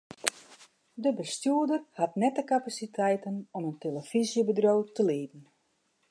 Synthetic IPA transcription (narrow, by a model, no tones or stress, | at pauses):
dəbəstjuədərhatnɛtəkapasitʰɛjtənɔmənteləfizjəbədrowtəliːdn̩